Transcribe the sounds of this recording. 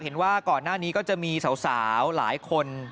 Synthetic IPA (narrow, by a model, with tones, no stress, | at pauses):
he˩˦nwaː˥˩kɔː˨˩nːaː˥˩niː˦˥kɔː˥˩t͡ɕa˨˩ʔmiː˧sa˩˦wsaː˩˦˩wla̰ː˩˦jkʰo˧n